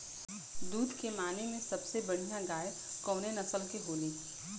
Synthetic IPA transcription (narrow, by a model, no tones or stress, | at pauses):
d̪uːd̪ʱkemaːnemẽsɐbsebɐɽ̤ijãɡaːe | kɔːnenɐsəlkeɦoːliː